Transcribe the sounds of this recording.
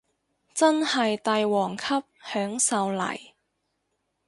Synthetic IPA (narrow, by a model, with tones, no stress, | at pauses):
t͡sɐ˥nhɐ˨jt̪ɐ˨˧jwɔː˨˩ŋkʰɐ˥p̚hœː˨˥ŋsɐ˨˧wlɐ̰˨˩j